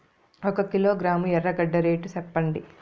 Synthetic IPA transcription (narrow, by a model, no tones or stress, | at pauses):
ɔkɐkiloːɡɾaːmuɛrːɐɡɐɖːɐɾeːʈusɛpːɐɳɖi